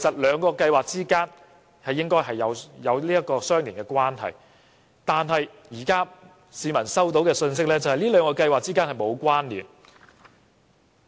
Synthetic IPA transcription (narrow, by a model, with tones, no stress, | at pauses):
kʰe˨˩jsɐ˨t̚lœː˨˧ŋkɔː˧kɐ˧jwaː˨˩k̚t͡siː˥kaː˥n | hɐ˨jːɪ˥ŋkɔː˥jɦɐ˨jːɐ˨˧wjɐ˨˧wliː˥jɐ˥t̚kɔː˧sœː˥ŋliː˨˩ŋkɛː˧kwaː˥nɦɐ̰˨j | t̪aː˨nɦɐ˨j | jiː˨˩kaː˥ | siː˨˧mɐ˨˩nsɐ˥wt̪̬o˨˥wkɛː˧sɵ˧ns̬ɪ˥k̚lɛː˥t͡sɐ˨whɐ˨jliː˥lœː˨˧ŋkɔː˧kɐ˧jwaː˨k̚t͡siː˥kaː˥nhɐ˨jmo˨˧wkʷwaː˥nliː˨˩n